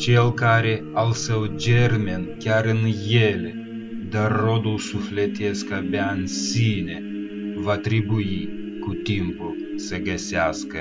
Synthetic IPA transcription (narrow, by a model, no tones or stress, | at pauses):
t͡ʃʲelˠkaɾʲeɐlˠsɛwd͡ʒʲɛrʲmʲɛnkʲaɾɨnjelʲ | d̪ɐrod̪ulˠsuflʲɛt̪ʲɛskɐbʲɛansʲinʲe | vat̪ʲɾʲibuji | kut̪ʲimpʊ | sɛɡɐsʲaskɐ